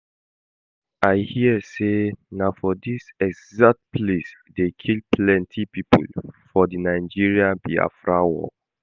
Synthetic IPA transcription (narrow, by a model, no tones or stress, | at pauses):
ʔaɪhiəsenafɔdisɛɡzak̚t̚pʰlesdekʰilplɛ̃ntʰipipʰṵlfɔdinaɪd͡ʒiɹiãbia̰fɹawɔ̰